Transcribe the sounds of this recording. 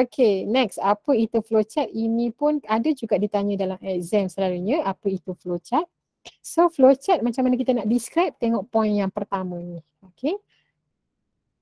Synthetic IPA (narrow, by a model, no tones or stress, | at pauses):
okʰenɛksapəit̪uflot͡ʃat̪̚inĩpʊnadəd͡ʒuɡaʔdit̪aɲə̃dalamɛk̚zɛmsəlaɾuɲə̃apəit̪uflot͡ʃat̪̚ | soflot͡ʃat̪̚mãt͡ʃamːanək̬it̪ənaʔdiskɾap̚t̪eŋɔʔpɔinjaŋpərt̪amə̃ni | okʰe